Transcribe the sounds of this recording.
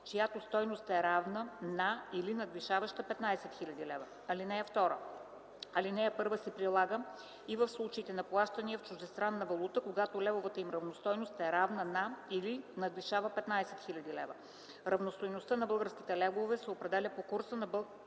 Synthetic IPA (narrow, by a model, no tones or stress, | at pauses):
t͡ʃojat̪ost̪ɔjnost̪ɛɾavnənailinɐd̪viʃavəʃt̪əpɛt̪naɛsɛt̪xilʲɐd̪ilɛvə | ɐlinɛjɛft̪ɔɾə | ɐlinɛɛpɤɾvəsɛpɾilˠaɡə | ivəfslˠut͡ʃɐit̪ɛnɐplˠaʃt̪əniəft͡ʃʊʒd̪ɛst̪ɾanːɐvɐlˠut̪əkoɡat̪olɛvovət̪əimɾɐvnost̪ɔjnost̪ɛɾavnənailinɐd̪viʃavəpɛt̪nasɛ̥t̪xilʲɐd̪ilɛvə | ɾɐvnost̪ojnost̪ənɐbɤlˠɡəɾsk̟ʲi̥t̪ɛlɛvovɛsɛopɾɛd̪ɛlʲəpokoɾsənɐbɤ